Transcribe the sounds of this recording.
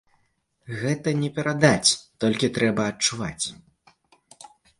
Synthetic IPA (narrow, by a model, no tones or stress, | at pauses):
ɣɛt̪ɐnʲɛpʲɛɾad̪at͡sʲt̪ɔlʲkʲit̪ɾɛbɐːt̚t͡ʂːuva̰t͡sʲ